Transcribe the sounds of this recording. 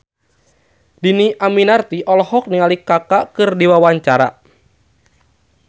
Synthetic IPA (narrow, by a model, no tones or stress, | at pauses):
diniʔaminart̪iʔɔlɔhɔk̚niŋalikakakɨrdiwawaɲt͡ʃaɾa̰